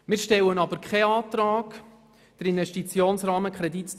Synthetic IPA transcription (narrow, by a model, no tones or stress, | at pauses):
mɪːɾʃtɛlənɑbəɾkʰχɛɑːt̪ɾɑːk | d̥əɾinvɛʃtit͡sjoːnsrɑːməkχɾɛdit